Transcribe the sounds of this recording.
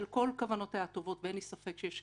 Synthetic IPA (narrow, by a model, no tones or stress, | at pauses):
lko̞lkavano̞thajat̪o̞vo̞tvenisafe̞kʃejeʃ